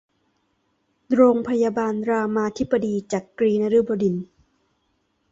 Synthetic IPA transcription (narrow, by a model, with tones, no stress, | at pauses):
ɾoː˧ŋpʰa˧jaː˧baː˧nɾaː˧maː˧t̪ʰi˦˥bːa˧diː˧t͡ɕaː˨˩kkɾiː˧na˧ɾɯː˦˥˩bɔː˧di˨˩n